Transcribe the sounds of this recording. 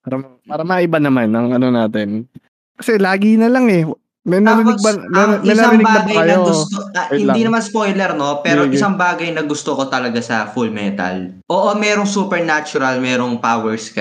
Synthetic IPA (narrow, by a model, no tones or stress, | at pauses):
aːɾɐmɐpaːɾɐmɐʔɪbanɐmanːɐŋʔɐno̞naːt̪ɪn | kɐsɛlaːɡiːnɐlɐŋɛ | mɛnaɾɪnɪɡ̚bɐmɐmɛjnaːɾɪnɪbɡaːɐbɡɐjkɐjoɡʊst̪ohɪld̪inɐmanspojlɛɾno̞pɛːɾoʔɪsaŋbaːɡɐjnɐɡʊst̪okot̪ɐlɐɡasɐfulmɛnt̪ɐ̰lʔoːʔomɛːɾoŋsuːpɛɹnat͡ʃʊɾɐlmɛːɾo̞ŋpaːwɛɹskɐ